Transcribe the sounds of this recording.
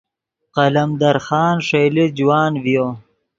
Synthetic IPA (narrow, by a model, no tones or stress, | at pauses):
qɐlɐmd̪ɐɾxɑːnʂejlid͡ʒwaːnvijoː